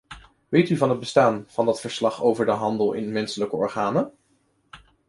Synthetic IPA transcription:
ʋejtyvɑnɦəd̚bəstaːnv̥ɑndɑtfəɹslɑχowvəɹdəɦɑndəlˠɪ̰nmɛnsələkəɔ̰ɹχaːnə

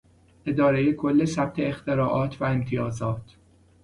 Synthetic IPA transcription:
ʔe̞d̪ɒːɾeje̞kʰo̞lːe̞sæb̥̚t̪ʰe̞ːxt̪e̞ɾɒːʔɒːt̪ʰvæemt̪ʰijɒːzɒːt̪ʰ

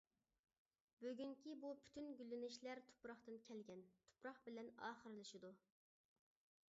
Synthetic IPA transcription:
bøɡʲyŋkʲibupʰy̥t̪ʰynɡʲylːɪnɪʃlæɾt̪ʰu̥pɾɑχt̪ɨnkʲʰɛlɡʲɛnt̪ʰu̥pɾɑχbɪlɛnɑ̰ːχəɾɨlˠɨʃid̪u

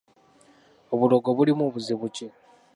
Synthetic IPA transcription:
oβuloɡoβulimuβuziβuce

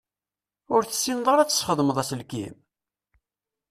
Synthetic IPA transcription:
ʊɾθə̥sːinðˤoɾæt͡sːə̥sχəðˤməðˤæslkḭm

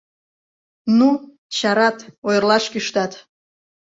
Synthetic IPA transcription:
nu | t͡ɕaɾɑt̪ojrlˠɑʂkʲiʃt̪at̪

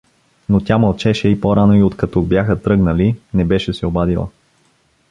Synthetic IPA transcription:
not̪ʲamɐlˠt͡ʃɛʃɛipoɾanoiot̪kɐt̪ɔbjaxət̪ɾɤɡnəlinɛbɛʃɛsɛobad̪ilˠə̰

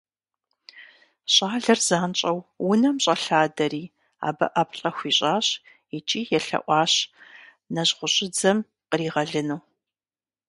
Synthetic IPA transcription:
ɕʼaːɮɐrzaːnt͡ʃʼɐwwʊnɐmɕʼɐɬaːdɐɾiː | a̰ːbɐ̰ʔɐpʰɬʼɐxʷiːɕʼaːɕ | it͡ʃʼiːjɛɬɐ̰ʔʷɑːɕ | nɐʑʁʷʊɕʼɪd͡zɐm | qəriːʁɐɮɨnuw

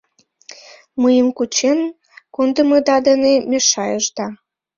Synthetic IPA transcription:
məjəmkut͡ɕen | kond̪əmɤd̪ɑd̪ənemeʃɑjəʒd̪ɑ

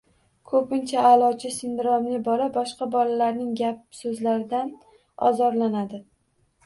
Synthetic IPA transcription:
kʰɵpɪnt͡ʃʰaːlˠɒd͡ʒɪsɪnd̪ɪɾɒmnɪbɒlabɒʃqɑbɒlalaɾnɪŋɡʲap̚sɵzlaɾɪd̪an | ɒ̰zɒɾlanad̪ɪ

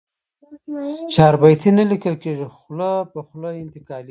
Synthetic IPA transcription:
t͡ʃɑːɾbajt̪ʰinalikəlkeʒixlopəxlojɪnt̪ɪkɑl

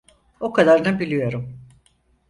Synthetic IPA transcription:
okʰad̪aɾnabilʲijo̞ɾum

